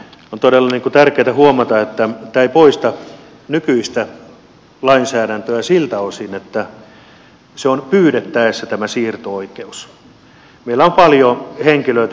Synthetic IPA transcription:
ont̪odelːɑniŋkut̪ærkeːt̪æhuomɑt̪ɑet̪ːæt̪æːipoist̪ɑ | nykyist̪æ | lɑinsæːɾænt̪øæsilt̪æosinet̪ːæ | seonpyːɾet̪ːæesːæt̪æmæsiːrt̪ooikeus | meilːæompɑljoheŋkiløit̪

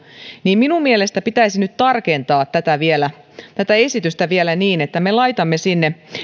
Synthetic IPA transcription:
niːmminummielest̪æpit̪æisinyt̪t̪ɑrkent̪ɑːt̪ːæt̪æʋielæ | t̪æt̪æe̞sit̪yst̪æʋielæniːnet̪ːæmelɑjt̪ɑmːesinːe

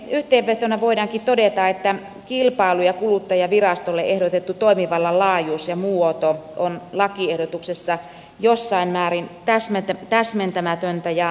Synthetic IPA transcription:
yht̪eːʋʋet̪onɑʋoidɑːŋkit̪odet̪ɑet̪ːæ | kilpɑˑilujɑkulut̪ːɑjɑʋirɑst̪olːeʔehdot̪et̪ːut̪oimiʋɑlːɑlɑːjuːsjɑmuot̪oʔonlɑkiehɾot̪uksesːɑ | josːɑimmæːɾint̪æsmet̪æt̪æsment̪æmæt̪ønt̪æjɑ

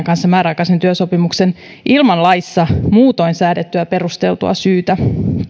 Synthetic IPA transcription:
ŋkɑnsːɑmæːɾɑjkɑsent̪yøso̞pimukse̞n | ʔilmɑnlɑjsːɑmuːt̪o̞insæːdet̪ːyæpe̞rust̪e̞lt̪uɑ̰syːt̪æ

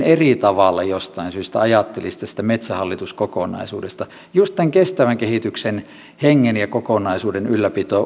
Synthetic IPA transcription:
erit̪ɑʋɑlːɑjost̪ɑinsyːst̪æɑjɑt̪ːelist̪ːæsi̥t̪æmet̪sæhɑlːit̪uskokonɑ̰isṵːdest̪ɑ | just̪t̪æŋkest̪æʋæŋkehit̪yksen | heŋːenjɑkokonɑisuːdenylːæpit̪oː

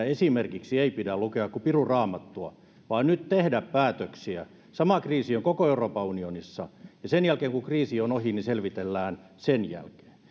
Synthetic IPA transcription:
esimerkiksieipidælukeɑkkupirurɑːmɑt̪ːuɑ | ʋɑːnnyt̪t̪ehdæppæːt̪øksiæ | sɑmɑkriːsioŋkokoeuroːpɑunionisːɑjɑsenjælkeːŋkukriːsionohiniselʋit̪elːæːn | senjæ̰lke̥ː

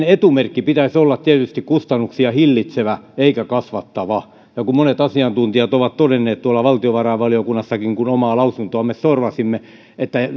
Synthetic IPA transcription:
net̪umerkːipit̪æsolːɑt̪t̪iæt̪yst̪ikkust̪ɑnːuksiɑhilːit̪seʋæeikækɑsʋɑt̪ːɑʋɑ | jɑkummonet̪ɑsiɑnt̪unt̪iɑt̪oʋɑt̪t̪odenːeːt̪t̪uɑlːɑʋɑlt̪ioʋɑrɑiʋʋɑliokunːɑsːɑkiŋkunomɑːlɑusunt̪oɑmessorʋɑsimːe | et̪ːæ

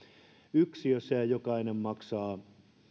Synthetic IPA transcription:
yksijosseæjokɑinemmɑksɑː

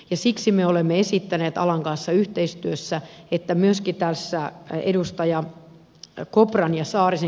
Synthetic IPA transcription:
jɑsiksimeolemːeesit̪ːæneːt̪ɑ̰lɑŋkɑnsːɑyht̪eist̪yøsːæet̪ːæmyøskit̪æsːæḛdust̪ɑjɑ | koprɑnjɑsɑːrise

